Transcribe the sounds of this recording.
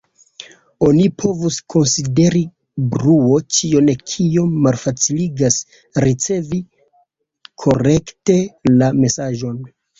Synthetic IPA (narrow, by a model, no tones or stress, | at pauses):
o̞nipʰo̞vuskʰo̞nside̞ɾi | bɾuo̞t͡ʃio̞nekʰio̞mːalfat͡siliɡas | ɾit͡se̞vi | kʰo̞ɾe̞kte̞lame̞saʒo̞n